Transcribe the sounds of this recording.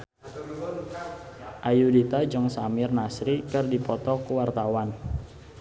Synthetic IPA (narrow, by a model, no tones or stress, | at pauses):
ʔajudit̪ad͡ʒəŋsamɪrnasɾikɨrdipɔt̪ɔkuwart̪awan